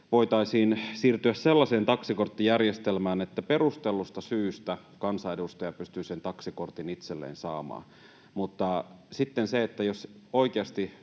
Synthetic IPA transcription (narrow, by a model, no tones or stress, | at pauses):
ʋo̞it̪ɑisiːnsiːrt̪yæsselːɑseːnt̪ɑksikort̪ːijærjest̪elmæːnet̪ːæpe̞rust̪elːust̪ɑsyːst̪æ | kɑnsɑedust̪ɑjɑpyst̪yːsent̪ɑksikort̪init̪selːḛːnsɑːmɑ̰ː | mut̪ːɑsit̪ːenseet̪ːæjosoikeɑst̪i